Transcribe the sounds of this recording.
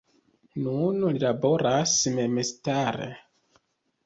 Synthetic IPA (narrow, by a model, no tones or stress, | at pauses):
nunlilabo̞ɾasmemestaɾḛ